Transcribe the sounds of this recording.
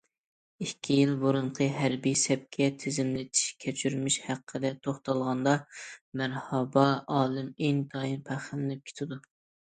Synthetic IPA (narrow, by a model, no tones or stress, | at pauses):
ikʲʰːijilˠboɾuɴqʰəɦæɾbijsɛp̚kʲʰɛt̪ʰɪzɪmlɪt̪ʰi̥ʃkʲʰɛt͡ʃʰyɾmiʃhæqʰːəd̪ɛt̪ʰoχt̪ɑlˠʁɑnd̪ɑmæɾhɑbɑɑːlˠɨmeŋt̪ʰɑinpʰæχɪlnɪp̚kʲʰe̥t̪ʰɪd̪u